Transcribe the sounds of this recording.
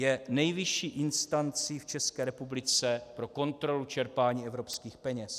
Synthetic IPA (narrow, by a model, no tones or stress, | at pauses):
jɛnɛjvɪʃiːʔɪnst̪ant͡siːft͡ʃɛskɛːɾɛpublɪt͡sɛpɾo̞ko̞nt̪ɾo̞lut͡ʃɛɾpaːɲiːɛvɾo̞pskiːxpɛɲɛs